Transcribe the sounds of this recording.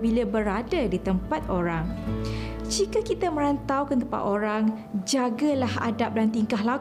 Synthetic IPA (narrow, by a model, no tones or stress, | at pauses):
bilabəɾadadit̪əmpat̪oɾaŋ | d͡ʒikakit̪amə̃ɾant̪awkənt̪əmpa̰t̪oɾaŋ | d͡ʒaɡalaha̰dap̚dant̪iŋkaɦla